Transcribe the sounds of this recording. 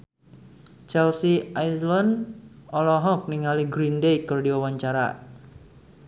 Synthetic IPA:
t͡ʃɛlsiajslandɔlɔɦɔk̚niŋaliɡɾindejkɨrdiwawaɲt͡ʃaɾa̰

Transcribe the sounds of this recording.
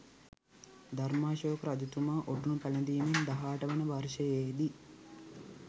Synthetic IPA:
d̪armaːʃoːkɾad͡ʒut̪umaːʔoʈunupæləd̪iːnind̪aɦaːʈəʋənəʋaɾʃəjed̪i

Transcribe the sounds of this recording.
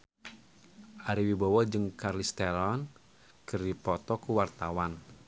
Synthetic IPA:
ʔaɾiwibawɔd͡ʒɨŋkarlist̪ɛlɔn | kɨrdipɔt̪ɔkuwart̪awan

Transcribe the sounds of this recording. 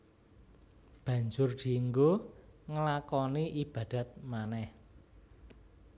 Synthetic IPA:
b̥ä̤ɲd͡ʒʊrd̪̥i̤ŋɡoŋəlakɔniʔib̥ä̤d̪̥ä̤t̪̚manɛh

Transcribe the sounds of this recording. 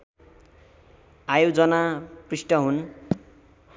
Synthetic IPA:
ajod͡zʌnaprisʈʌɦun

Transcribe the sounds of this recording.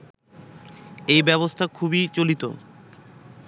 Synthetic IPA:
ejbɛβost̪ʰakʰubit͡ɕolit̪o̰

